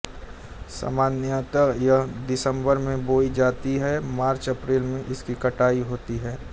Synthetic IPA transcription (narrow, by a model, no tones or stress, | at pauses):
sa̰ːmaːnjət̪əjəd̪ɪsə̃mbəɾmẽboːid͡ʒaːt̪iɦɛmaːɾt͡ʃɐpɾeːlmẽʔɪskikɐʈaːiɦoːt̪iɦɛː